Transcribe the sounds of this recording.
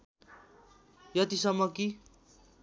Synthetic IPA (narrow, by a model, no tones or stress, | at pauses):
jʌt̪isʌmːʌki